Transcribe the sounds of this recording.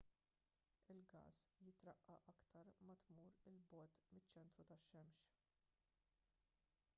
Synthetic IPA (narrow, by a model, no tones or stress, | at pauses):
ɪlɡɐ̰ːsjɪt̪ɾɐʔːɐʔɐkt̪ɐɾmɐt̪muːɾɪlbɔːt̪mɪt͡ʃːɛnt̪ɾut̪ɐʃːɛmʃ